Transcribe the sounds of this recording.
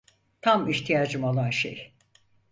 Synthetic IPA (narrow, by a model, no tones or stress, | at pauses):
t̪ʰamiht̪ʰijaːd͡ʒɯmo̞lˠanʃḛj